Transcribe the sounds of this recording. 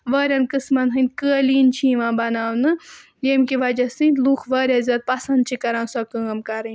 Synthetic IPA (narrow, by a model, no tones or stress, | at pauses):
ʋɐːɾʲɐnkɨsmɐnɦɨnkəːliːnt͡ʃʰiːʋãːbɐnaːwnɨ | jeːmkiʋɐd͡ʒɐsɨ̃nluːxʰʋɐːɾʲɐzʲɐːd̪̚pɐsɐnd̪̚t͡ʃʰikɐɾãːnsɐkɨɐmkɐɾɐ